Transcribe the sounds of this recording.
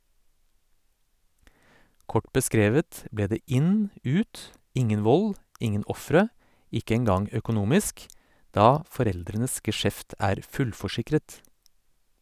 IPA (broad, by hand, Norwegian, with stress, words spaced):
ˈkɔʈ bəˈskɾeːʋət ˈbleː ˈdeː ˈɪn ˈʉːt ˈɪŋən ˈʋɔl ˈɪŋən ˈɔfɾə ˈɪkə ɛŋˈɡɑŋ øːkʊˈnuːmɪsk ˈdɑː fɔˈɾɛldɾənəs ɡəˈʃɛft ˈæːɾ ˈfʉlfɔˌʃɪkɾət